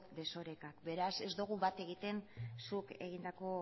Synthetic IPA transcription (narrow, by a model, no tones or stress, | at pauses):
d̪e̞so̞ɾe̞kakbe̞ɾase̞zd̪uɣ̞uβat̪e̞ɣit̪e̞nsuke̞̰ɣ̞ind̪ako̞